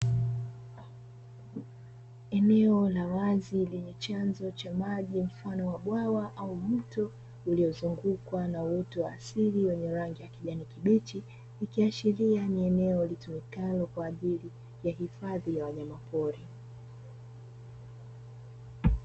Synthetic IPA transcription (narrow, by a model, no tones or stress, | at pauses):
ɛnɛɔlawazilɛɲɛt͡ʃanzɔt͡ʃamaʄim̩fanɔwaɓwawaʔaumutɔ | uliɔzuŋɡukwanawɔtɔwaːsiliwɛɲɛɾaŋɡijakiʄanikiɓit͡ʃi | ikiat͡ʃilianiɛnɛɔlitumikalɔkwaːʄili | jahifaðijawaɲamapɔɾi